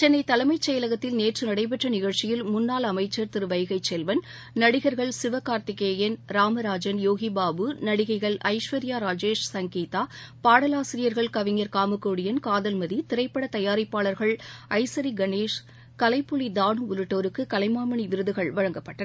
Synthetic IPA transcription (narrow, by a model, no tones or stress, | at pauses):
t͡ʃɛnːɐɪt̪ɐlɐmɐɪt͡ʃːɛjɐlɐɣɐt̪ːɪlneːʈrɯnɐɽɐɪp̬ɛʈrɐnɪɣɐɭt͡ʃɪjɪlmʊnːaːlɐmɐɪt͡ʃːɐɾt̪ɪɾɯʋɐjɐɣɐɪt͡ʃːɛlʋɐn | nɐɽɪɣɐɾɣɐɭsɪʋɐkaːɾt̪ɪkːeːjɐnɾaːmɐɾaːd͡ʒɐnjoːɣibaːbɯnɐɽɪɣɐɪɣɐɭʔɐ̰ɪʂʋɐɾɪjaːɾaːd͡ʒeːʂsɐŋɡiːt̪aːpaːɽɐlaːsɪɾɪjɐɾɣɐɭkɐʋɪŋɐɾkaːmɯkːoːɽɪjɐnkaːðɐlmɐðit̪ɪɾɐɪpːɐɽɐt̪ɐjaːɾɐɪpːaːɭɐɾɣɐɭɐɪsɐɾiɡɐneːʂ | kɐlɐɪpːʊlid̪aːɳɯʊɾɯʈːoːɾɯkːɯkɐlɐɪmaːmɐɳiʋɪɾɯðɯɣɐɭʋɐɻɐŋɡɐpːɐʈːɐ